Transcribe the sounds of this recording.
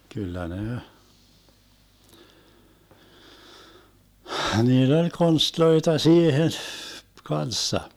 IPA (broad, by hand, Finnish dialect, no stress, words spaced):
kylːæ ne hniːlː olʲ konstloitɑ siːhen kɑnsːɑ